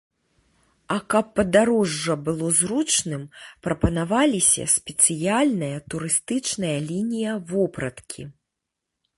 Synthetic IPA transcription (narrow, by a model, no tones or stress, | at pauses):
ɐkɐpːɐd̪aɾɔʐːɐbɨlˠɔzrut͡ʂnɨmpɾɐpɐnavalʲisʲɐ̰sʲpʲɛt̪sɨjalʲnɐjɐt̪uɾɨst̪ɨt͡ʂnɐjɐlʲinʲijɐvɔpɾɐt̪kʲʰḭ